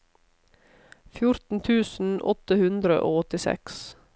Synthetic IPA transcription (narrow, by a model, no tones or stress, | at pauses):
fjʊɾt̪n̩t̪ʰʉːsn̩ʔɔt̪əhʉnd̪ɾə̰ʔoːɔt̪ɪsɛ̰ks